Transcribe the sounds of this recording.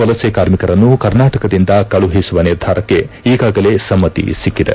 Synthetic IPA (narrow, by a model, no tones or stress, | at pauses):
ɐlɐseːkaːɾmikɐɾɐnːukɐɾnaːʈɐkɐd̪ind̪ɐkɐɭuɦisuʋɐniɾd̪ʱaːɾɐkːe̞ | iːɡaːɡɐle̞sɐmːɐt̪ḭsikːid̪ḛ